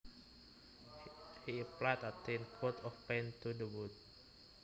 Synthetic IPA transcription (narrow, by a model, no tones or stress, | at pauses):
hiəplajt̪at̪ẽnkʰot̪ɔfpɛ̃nt̪udəwut̪̚